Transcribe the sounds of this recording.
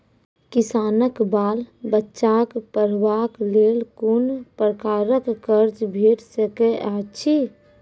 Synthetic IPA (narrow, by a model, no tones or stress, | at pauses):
kisaːnəkbaːlbətːʃakpəɾʋakleːlkunpɾəkaːɾəkːəɾt͡ʃbʱeʈsəkeʔat͡ʃʰi